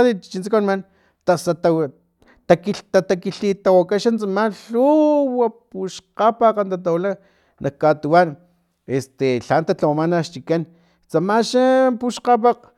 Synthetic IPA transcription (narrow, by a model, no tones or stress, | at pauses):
t̪it͡ʃint͡sakanman | t̪asat̪a | t̪akit̪at̪akiɬit̪awakaʃant͡samaɬuwapuʃqapaqant̪at̪̬awla | nʔakkːat̪uwan | est̪eɬant̪at͡ɬawamanaʃt͡ʃikan | t͡samaʃapuʃqap̬aq